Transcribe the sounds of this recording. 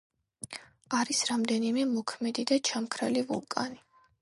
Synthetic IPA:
aɾisɾamd̪ɛnimɛmɔkʰmɛd̪id̪at͡ʃʰamkʰɾɛ̰livṵlˠkʼa̰ni

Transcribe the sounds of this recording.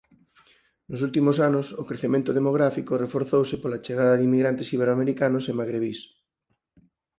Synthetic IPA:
nos̬ult̪imosanosokɾeθemẽnt̪oð̞emoɣ̞ɾafikorefoɾθowsepolat͡ʃeɣ̞aðɐðimːiɣɾant̪esiβ̞eɾoameɾikanosemaɣɾeβ̞is

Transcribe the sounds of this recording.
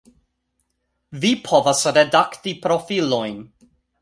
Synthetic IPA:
vipʰɔvasɾɛdaktipʰɾɔfilɔjn

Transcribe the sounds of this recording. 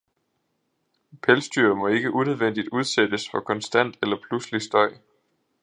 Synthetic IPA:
pʰelsd̥yɐmɒ̽e̝ɡ̥əʔuneð̞ˠʋen̰d̥id̥uð̞ˠsed̥əsfɒ̽kʰɒ̽nsd̥æn̰d̥elɐpʰluslisd̥ɒ̽ɪ̰

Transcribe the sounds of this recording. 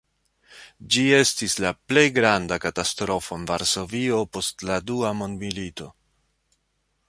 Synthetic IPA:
d͡ʒie̞stislaple̞jɡɾandakatastɾo̞fo̞envaɾso̞vio̞po̞stladuamo̞ndmilito̞

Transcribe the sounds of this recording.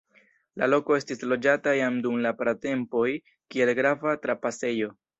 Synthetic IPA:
la̰lo̞ko̞e̞stislo̞d͡ʒatajamdumlapɾate̞mpo̞j | kie̞lɡɾavatɾapase̞jo̞

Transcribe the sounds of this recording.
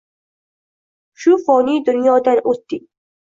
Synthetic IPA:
ʃufɔːniːd̪ʊnjɔːd̪anʔut̪ːi

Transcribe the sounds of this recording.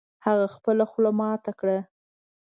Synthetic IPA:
haɣaxpəlaxlamɑt̪akɽa

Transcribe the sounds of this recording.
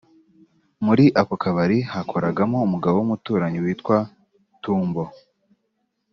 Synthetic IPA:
muɾiʔakokʰaβaɾihakʰo̞ɾaɡamo̞umuɡaβoumutuːɾaɲiwiːtwa | tuːmbo̞

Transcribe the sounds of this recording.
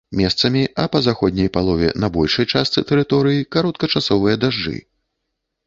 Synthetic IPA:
mʲɛst̪sɐmʲiɐpɐzaxɔd̪ʲnʲɛjpalˠɔvʲɛ̰nɐbɔlʲʂɐjt͡ʂast̪sɨt̪ɛɾɨt̪ɔɾɨjikaɾɔt̪̚kɐt͡ʂasɔvɨjɐd̪aʐd͡ʐɨ̰

